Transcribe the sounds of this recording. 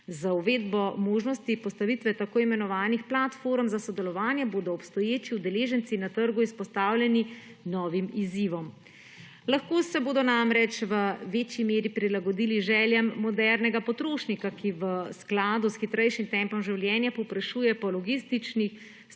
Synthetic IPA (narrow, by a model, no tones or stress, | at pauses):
zauʋeːd̪bɔmoːʒnɔst̪ipɔst̪aʋit̪ʋɛt̪akoːimɛnɔʋaːnixplat̪foɾmzasɔd̪ɛlɔʋaːnjɛboːd̪ɔːpst̪ɔjeːt͡ʃiwd̪ɛleːʒɛnt̪sinat̪əɾɡuispɔst̪aːwlʲjɛni | nɔːʋimiziʋɔm | laxkoːsɛboːd̪ɔnamɾɛt͡ʃʋəʋeːt͡ʃjimeːɾipɾilaɡɔd̪iliʒɛːljɛmːɔd̪ɛɾnɛɡapɔt̪ɾoːʃnikakiʋəsklaːd̪usxit̪ɾɛjʃimt̪ɛmpɔmʒiwljɛːnjapɔwpɾaʃuːjɛpɔlɔɡist̪it͡ʃnix